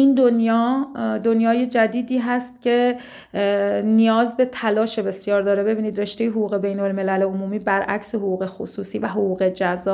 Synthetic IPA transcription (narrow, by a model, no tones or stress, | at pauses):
ind̪onjɒːd̪onjɒːje̞d͡ʒæd̪iːd̪iːɦæst̪̚cʰe̞ | nijɒːzbe̞t̪ʰælɒːʃe̞be̞sjɒːɾd̪ɒːɾebe̞biːniːd̪re̞ʃt̪e̞jeɦoɣuːɣe̞be̞jnolme̞læleomuːmiːbæɾʔæ̰cseɦoɣuːɣe̞xo̰suːsiːvæɦoɣuːɣe̞d͡ʒæzɒː